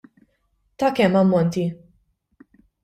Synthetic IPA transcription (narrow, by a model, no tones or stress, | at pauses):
t̪ɐkɛmːɐmːɔnt̪i